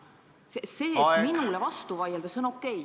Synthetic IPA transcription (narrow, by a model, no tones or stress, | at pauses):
sese̞ːminulevɑst̪uvɑjeld̪ɑsonokːˑe̞j